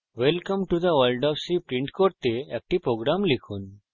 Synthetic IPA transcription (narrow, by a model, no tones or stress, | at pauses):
ʋelkə̃mʈud̪əʋəlɖɔfsipɾĩɳʈkoʈt̪eek̚ʈipɾoɡɾamlikʰuːn